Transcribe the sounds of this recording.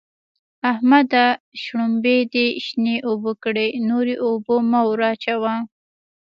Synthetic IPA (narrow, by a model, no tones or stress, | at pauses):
ahmad̪aʃɽumbed̪eʃneʔobokɽenoɾeʔobomawɾɑt͡ʃawa